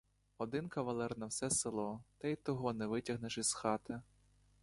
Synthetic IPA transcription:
ɔd̪ɪnkɐʋɐlˠɛrnɐwsɛselˠɔt̪ɐjt̪ɔɦɔnɛʋɪtʲɐɦneʃiz̥xɑt̪ɪ

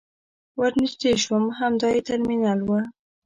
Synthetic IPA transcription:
waɾnisd̪eʃwəmɦamd̪ɑjet̪aɾminalwa

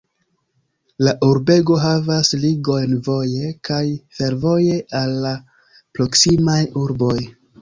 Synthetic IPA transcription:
laʔuɾbe̞ɡo̞ɦavasliɡo̞jnvo̞je̞kʰajfe̞ɾvo̞je̞ʔalːa | pɾo̞ksimajuɾbo̞j

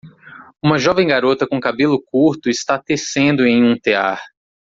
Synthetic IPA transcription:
ũmɐʒɔvẽj̃ɡaɾot̪ɐkõkabelʊkuɾt̪ʊɪst̪at̪esẽnd̪ʊẽj̃ũt̪ea̰ɾ

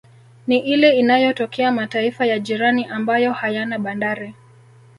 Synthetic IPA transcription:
niʔilɛinajɔtɔkʰɛamataifajaʄiɾaniʔambajɔhajanaɓandaɾi

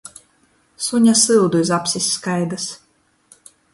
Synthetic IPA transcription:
suɲʲasɨwd̪uizapsʲisʲːkajd̪ɨs

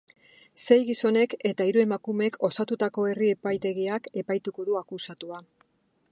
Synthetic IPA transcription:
se̞jɣiso̞ne̞ke̞t̪aiɾue̞makume̞kʰo̞sat̪ut̪ako̞e̞rie̞pajt̪e̞ɣiake̞pajt̪uko̞ðuakusat̪ua

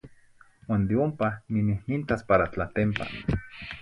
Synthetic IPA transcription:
waːnd̪eompaninihnint̪aspaɾat͡ɬat̪empa̰

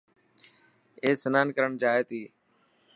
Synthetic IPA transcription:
eːsənaːnkəɾəɳd͡ʒaːeːt̪iː

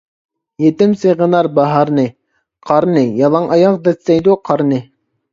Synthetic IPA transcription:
jet̪ɪmsɨʁənɑɾbɑɦɑɾnɨ | qʰɑɾnɪjɑlˠɑŋʔɑjɑqd̪ɛssɛjd̪uqʰɑɾnɪ

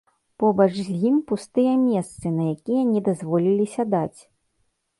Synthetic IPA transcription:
pɔbɐt͡ʂzʲjimpust̪ɨjɐmʲɛst̪sɨnɐjakʲijɐnʲɛd̪azvɔlʲilʲisʲad̪at͡sʲ

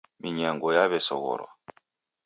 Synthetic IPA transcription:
miɲaŋɡɔjaβɛsɔɣɔ̰ɾɔ̰

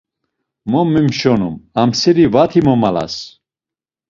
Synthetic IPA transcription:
mɔmːimʃɔnumamsiɾivat̪ʰimɔmala̰s

